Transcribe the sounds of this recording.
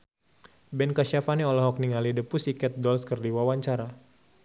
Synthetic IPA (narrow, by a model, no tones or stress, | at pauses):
bɛnkaʃafaniɔlɔɦɔk̚niŋalidəpusikɛt̪̚dɔlskərdiwawaɲt͡ʃaɾa